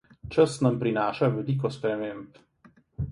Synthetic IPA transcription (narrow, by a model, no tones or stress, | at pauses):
t͡ʃəsnɐmpɾinaːʃaʋɛliːk̬ɔspɾɛmeːmp